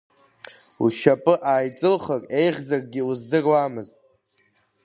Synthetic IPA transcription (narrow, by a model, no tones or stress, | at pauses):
uʃapʼɨʔaːjt͡sʼɨlχakʼe̞jʁʲzarɡʲɪuzdɨrwamɨztʼ